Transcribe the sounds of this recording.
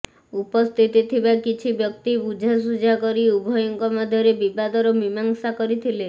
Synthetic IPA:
upɔst̪ʰit̪it̪ʰibakit͡ʃʰibjɔkt̪ipud͡ʒʱas̬ud͡ʒʱakɔɾiubʱɔjɔŋkɔmad̪ʱjɔɾebibad̪ɔɾɔmimaŋsakɔɾit̪ʰile

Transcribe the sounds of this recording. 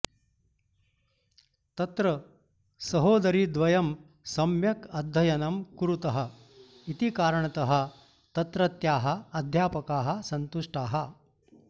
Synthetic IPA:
t̪ɐt̪ɾɐ | sɐɦoːd̪ɐɾid̪ʋɐjɐm | sɐmjɐkɐd̪ʱːɐjɐnɐmkuɾut̪ɐɦɐ̆ | it̪ikaːɾɐɳɐt̪ɐɦɐ̆ | t̪ɐt̪ɾɐt̪jaːɦɐ̆ɐd̪ʱjaːpɐkaːɦɐ̆sɐnt̪uʂʈaːɦɐ

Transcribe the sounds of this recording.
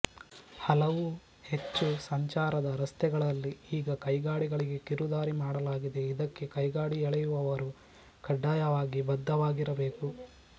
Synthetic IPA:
hɐlɐʋu | he̞t͡ʃːusɐɲt͡ʃaːɾɐd̪ɐɾɐst̪ʰɛɡɐɭɐlːiiːɡɐkɐjɡaːɽiɡɐɭiɡe̞kiɾud̪aːɾimaːɽɐlaːɡid̪e̞id̪ɐkːe̞kɐjɡaːɽiɛɭɛjuʋɐʋɐɾu | kɐɖːaːjɐʋaːɡibɐd̪ʱːɐʋaːɡiɾɐbe̞ːku

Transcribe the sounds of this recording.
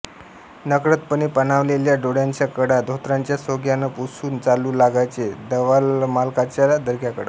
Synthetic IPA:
nəkɾət̪pəñipənaʋleljaɖoɽjaɲt͡ɕjakəɽad̪ʱot̪ɾaɲt͡ɕjasoɡjanəpusuːnt͡saluːlaɡajt͡sed̪əʋalmalkat͡ɕjalad̪ʱəɾkjakəɽə

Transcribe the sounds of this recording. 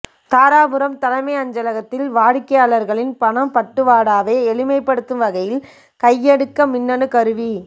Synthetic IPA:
t̪aːɾaːbɯɾɐmt̪ɐlɐmɐɪɐɲd͡ʒɐlɐɣɐt̪ːɪlʋaːɻɪkːɐjaːɭɐɾɣɐɭɪnpɐɳɐmpɐʈːɯʋaːɽaːʋeːɛɭɪmɐɪpːɐɽɯt̪ːɯmʋɐɣɐjɪl | kɐjːɛɽɯkːɐmɪnːɐnɯkɐɾɯʋi

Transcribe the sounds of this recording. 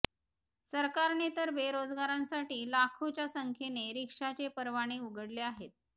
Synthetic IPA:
səɾkaɾnet̪əɾbeɾod͡zɡaɾãnsaʈiːlakʰot͡ɕjasəŋkʰeneɾikʂat͡ɕepəɾʋaɽ̃iuɡʱəɽleaɦet̪̚

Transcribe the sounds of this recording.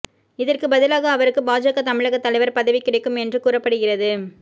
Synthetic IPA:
ɪðɐrkɯbɐðɪlaːɣɐːʋɐɾɯkːɯbaːd͡ʒɐɣɐt̪ɐmɪɻɐɣɐt̪ːɐlɐɪʋɐɾpɐðɐʋɪkːɪɽɐɪkːɯmɛndrɯkuːrɐpːɐɽɯɣɪrɐðɯ

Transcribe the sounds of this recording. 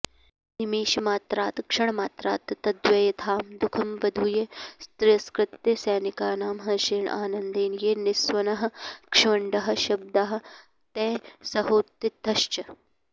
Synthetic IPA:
nimeːʃɐmaːt̪ɾaːt̪kʂɐɳɐmaːt̪ɾaːt̪t̪ɐd̪ʋɐjɐt̪ʰaːmd̪ukʰɐmʋɐd̪ʱujɐst̪ɾɪjɐskɾɪt̪jɐsɛːnikaːnaːmɦɐʃeːɳʔa̰ːnɐnd̪eːnjeːnɪswɐnɐɦɐ̆kʂʋɐɳɖɐɦɐ̆ʃɐb̚d̪ɐɦɐ̆ | t̪ɛːsɐɦoːt̪ːit̪ːɐʃt͡ʃɐ

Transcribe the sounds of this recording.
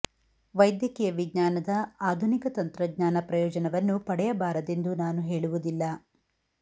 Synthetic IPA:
ʋɐjd̪jɐkijɐʋiɡɲaːnɐd̪ɐaːd̪ʱunikɐt̪ɐnt̪ɾɐɡɲaːnɐpɾɐjɔːd͡ʒɐnɐʋɐnːupɐɽɛjɐbaːɾɐd̪e̞nd̪unaːnuɦeːɭuʋud̪ilːɐ

